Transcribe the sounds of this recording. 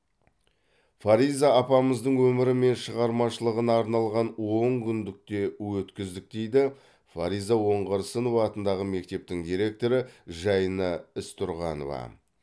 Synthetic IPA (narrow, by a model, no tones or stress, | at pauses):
faɾijzɑːpɑməzd̪əɴwɵmɪɾɪme̞nʃəʁɑɾmɑʃəlˠəʁənɑːɾnɑlˠʁɑnwo̞ŋkʲʰʏnd̪ɪk̚t̪e̞wɵt̪kʲɪzd̪ɪk̚d̪e̞jd̪ɪ | fa̰ɾijzawo̞ɴʁəɾsəno̞vɑːt̪ənd̪ɑʁəme̞k̚t̪e̞p̚t̪ɪŋd̪iɾe̞k̚t̪o̞ɾəʒɑjnɑɪst̪ʰʊɾʁɑno̰vɑ̰